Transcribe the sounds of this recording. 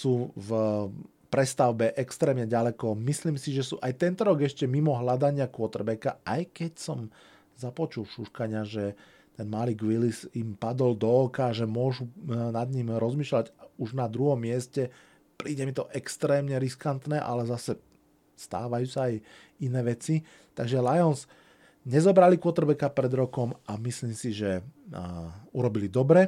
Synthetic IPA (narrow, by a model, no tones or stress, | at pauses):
suːv | pɾɛst̪aʊbɛʔɛkst̪ɾɛːmɲɛɟalɛkɔmisliːmsiʒɛsuːʔajt̪ɛnt̪ɔɾɔɡɛʃcɛmimɔɦlad̪aɲɪakʊɔt̪rɾbɛkaʔajkɛcsɔm | zapɔt͡ʃulfʃuʃkaɲɪaʒɛ | t̪ɛnmaliːɡʋilisimpad̪ɔld̪ɔːkaʒɛmʊɔʒunad̪ɲimɾɔzmiːʃlaɟuʒnad̪ɾuɦɔmːɪɛscɛ | pɾiːɟɛmit̪ɔʔɛkst̪ɾɛːmɲɛɾiskant̪nɛʔa̰lɛzasɛ | st̪a̰ːʋajuːsaːj | inɛːʋɛt͡si | t̪aɡʒɛlajɔns | ɲɛzɔbɾalikʊɔt̪ɾbɛkapɾɛd̪ɾɔkɔmamisliːmsiʒɛ | uɾɔbilid̪ɔbɾɛ